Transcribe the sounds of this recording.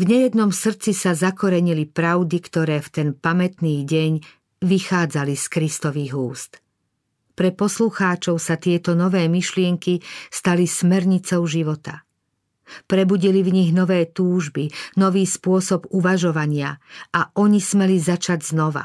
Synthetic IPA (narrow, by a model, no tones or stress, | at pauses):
vɲɛjɛd̪nɔmsr̩t͡sisazakɔɾɛɲilipɾaʊd̪ikt̪ɔɾɛːft̪ɛnpamɛt̪niːɟɛɲ | ʋixaːd͡zaliskɾist̪ɔʋiɣuːst̪ | pɾɛpɔsluxaːt͡ʃɔʊsat̪ɪɛt̪ɔnɔʋɛːmiʃlɪɛŋkist̪alismɛɾɲit͡sɔʊʒiʋɔt̪a̰ | pɾɛbuɟilivɲiɣnɔʋɛːt̪uːʒbinɔʋiːspʊɔsɔbuʋaʒɔʋaɲɪaaʔɔɲismɛlizat͡ʃaɟznɔʋa̰